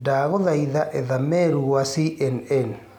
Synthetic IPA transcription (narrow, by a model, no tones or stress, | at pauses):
daːɣɔðaiðaʔeðamɛɾuwasiʔɛnɛn